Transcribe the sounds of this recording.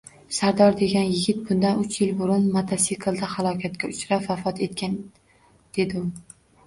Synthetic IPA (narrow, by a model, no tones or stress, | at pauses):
saɾd̪ɒɾd̪e̞ɡʲanjɪɡʲɪt̪̚bʊnd̪anʊt͡ʃʰjɪlbʊɾʊnmat̪ʰasikʰlˠd̪ahalˠɒkʲʰat̪kʲaʊt͡ʃɾapvafɒt̪ʰe̞t̪kʲan | d̪̥e̞d̪ɪʊ